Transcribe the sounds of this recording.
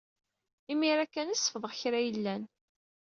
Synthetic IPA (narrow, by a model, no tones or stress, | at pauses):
imiɾækːænisːə̥fðˤəʁçɾæjəlːæn